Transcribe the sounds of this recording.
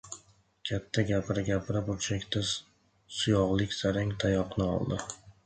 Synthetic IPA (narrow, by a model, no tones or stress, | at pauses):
kʲʰat̪ʰːaɡʲapɾaɡʲapʰɪɾapʊlt͡ʃʰakʲt̪ʰa | sʊjɒʁlˠɪkʲsaɾaŋt̪ʰajɒqnɪɒ̰lˠd̪ɪ